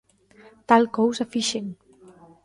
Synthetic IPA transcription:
t̪alkowzafiʃeŋ

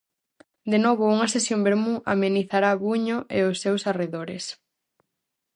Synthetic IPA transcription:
d̪enoβʊuŋɐsesjombeɾmuʔa̰meniθaɾaβuɲʊʔeʊsːewsareðoɾes

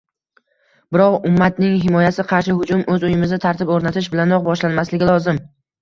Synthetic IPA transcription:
b̥ɪɾɒqʊmːat̪nɪŋɦɪmɒjasɪqʰɑɾʃɪhʊd͡ʒʊmʔɵzʊjɪmɪzɪt̪ʰaɾt̪ʰɪpoɾnat̪ʰɪʃ̬bɪlanɾɒq̚bɒʃlanmaslɪɡʲɪlˠɒzɪm

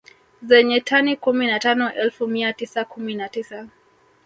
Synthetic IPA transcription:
zɛɲɛtʰanikuminatanɔʔɛlfumiatisakuminatisa

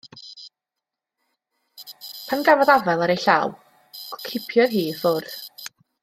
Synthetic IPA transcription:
pʰanɡavɔðavɛlˠaɾejɬaw | kʰɪpʰjɔðɦiːfʊr

